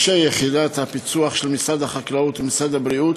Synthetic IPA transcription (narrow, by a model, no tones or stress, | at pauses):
ʃejeχid̪at̪hapit͡suaχʃelmisad̪aχaklaut̪misad̪abɾiut̪